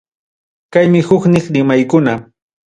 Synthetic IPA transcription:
kajmɪhʊknɪχɾɪmajkʊna

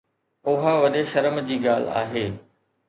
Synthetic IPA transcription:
ʊɦaʋɐɗeʃɐɾəmd͡ʑiːɡaːl̤a̰ːɦeː

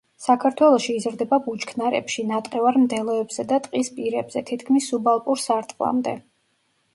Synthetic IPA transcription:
sakʰaɾt̪ʰwɛlˠɔʃiːzɾd̪ɛbabut͡ʃʰkʰnaɾɛ̰pʃinat̪ʼqʼɛvaɾmd̪ɛlˠɔɛbz̥ɛd̪at̪ʼqʼispʼiɾɛbz̥ɛt̪ʰit̪ʰkʰmisːubalˠpʼuɾsaɾt̪ʼqʼlˠa̰md̪ɛ̰

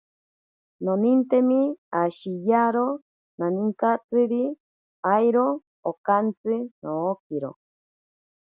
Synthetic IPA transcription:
nonint̪emiaʃijaɾo | naniŋkat͡sɨɾi | ajɾoː | kant͡sɨnoːkiɾo̰

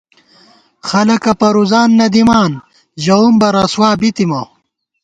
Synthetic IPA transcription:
xɐlɐkɐpɐɾuzaːnːɐd̪imaːn | ʑɐumbɐɾɐswaːbit̪imɐ

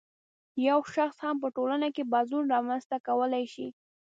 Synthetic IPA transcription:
jawʃaxshamp̬əʈolanakebɑzunɾɑmanst̪akawəlajʃi

